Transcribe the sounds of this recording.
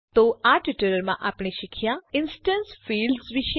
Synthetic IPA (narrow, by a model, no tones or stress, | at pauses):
t̪oaʈɪʈəɾəɾmã̰ʔaːpɳ̃eʃɪkʰjãɪnsʈənsfiːlɖsʋɪʃ